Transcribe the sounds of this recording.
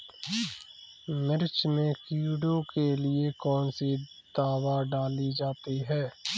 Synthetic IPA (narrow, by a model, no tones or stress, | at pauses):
mɪɾt͡ʃmẽkuːɖokelɪekɔːnse | d̪̥aːʋaɖaːlid͡ʒaːt̪iɦɛː